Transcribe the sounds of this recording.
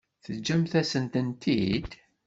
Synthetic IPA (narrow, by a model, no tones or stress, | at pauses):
θəd͡ʒːæmθæsənt̪ənt̪id̪